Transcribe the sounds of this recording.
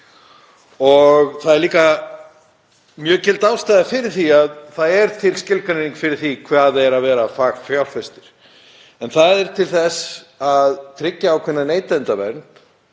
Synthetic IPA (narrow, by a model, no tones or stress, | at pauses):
ɔɣθaðɛɾliːka | mjœːcɪlt̪awst̪ajðafɪɾɪɾ̥θiaðθaðɛɾ̥t̪ʰɪlscɪlkaneniŋkfɪɾɪɾ̥θikʰvaːðɛɾavɛːɾafaːɣfjawlfɛst̪ɪɾ̥ | ɛnθaðɛɾ̥t̪ʰɪlθɛsaðt̪ʰɾɪcːaːwkʰvɪnːaneːjt̪nt̪avɛ̰ɾnt̪